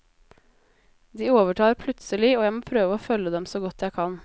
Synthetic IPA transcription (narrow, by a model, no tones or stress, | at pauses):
d̪iːoːʋəʈʰɑːɾpʰlʉt̪səlɪoːjæɪmoːpʰɾøːʋəoːfœləd̪ɛmsoːɡɔt̪jæɪkʰɑn